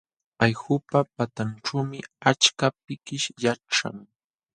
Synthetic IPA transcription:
ajxʊpapat̪anʈ͡ʂuːmɪat͡ʃkap̚ɪkɪʃjaʈ͡ʂa̰ŋ

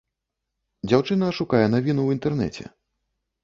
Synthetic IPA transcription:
d͡zʲawt͡ʂɨnɐʂukajɛnavʲinuwint̪ɛrnɛ̰t͡sʲɛ̰

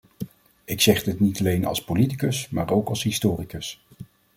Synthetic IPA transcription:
ɪksɛχdɪtnitɑlejnɑ̰lˠspolitikəsma̰ːɹowkɑlˠsɦistoːrikəs

